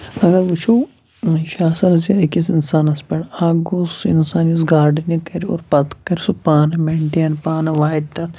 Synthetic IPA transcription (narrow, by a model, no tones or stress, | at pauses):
ɐɡɐɾʋut͡ʃʰow | ʃaːsɐɾziɐkisinsaːnɐspeɽaːɡusinsaːnjusɡaːɾɖɐnɐkɐɾio̰ɾpɐt̪kɐɾisupaːnɐmeɳʈijɐnpaːnɐʋaːɦid̪̚t̪ɐt̪